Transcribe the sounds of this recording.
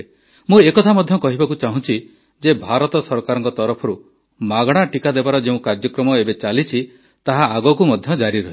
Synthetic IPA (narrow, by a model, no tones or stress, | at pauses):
mũekɔt̪ʰamɔd̪ʱjɔkɔɦibakut͡ʃaɦũt͡ʃʰi | d͡ʒebʱaɾɔt̪ɔsɔɾkaɾɔŋkɔt̪ɔɾɔpʰɔɾu | maɡɽ̃aʈikad̪ebaɾɔd͡ʒeũkaɾd͡ʒɔkɾɔmɔebet͡ʃalit͡ʃʰi | t̪aɦaːɡɔkumɔd̪ʱjɔd͡ʒaɾiɾɔɦ